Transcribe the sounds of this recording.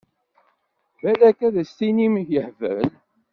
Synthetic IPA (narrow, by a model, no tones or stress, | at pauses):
vælækæðæst̪inimjəħvə̰ɾl